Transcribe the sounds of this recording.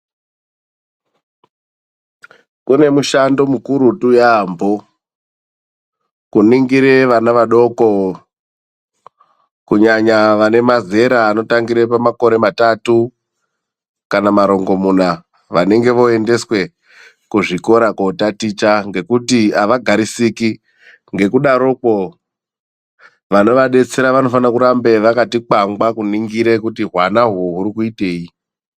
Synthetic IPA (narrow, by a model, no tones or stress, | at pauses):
kune̞muʃando̞mukuɾutujaːmbo̞ | kuniŋɡiɾe̞ʋanaʋaɗo̞ko̞ | kuɲaɲaʋane̞maze̞ɾaːno̞taŋɡiɾepamako̞ɾe̞matatu | kanamaɾo̞ŋɡo̞muna | ʋane̞ŋɡe̞ʋo̞e̞nde̞swe̞ | kuʐiko̞ɾakotatit͡ʃaŋɡe̞kutiaʋaɡʱaɾisiki | ŋɡe̞kuɗaɾo̞ko̞ | ʋano̞ʋaɗe̞t͡se̞ɾaʋano̞fanakuɾambe̞ʋakatik͡paŋɡakuniŋɡiɾe̞kutiɦwanaɦoɦuɾikuite̞ːji